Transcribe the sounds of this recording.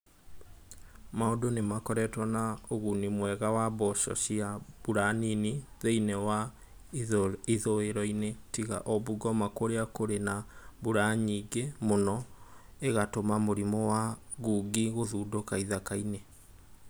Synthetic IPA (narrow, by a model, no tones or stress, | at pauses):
maodonemakɔɾɛtwanaoɣunimwɛɣawaβɔʃɔ̰ɕiabuɾaniniðeinewa | iðoeɾɔinetiɣa̰ʔɔβuɡɔmakoɾeakoɾenaβuɾaɲiɡemonɔeɣatomamoɾimɔwaɣuːɡiɣoðuːdokaiðakaine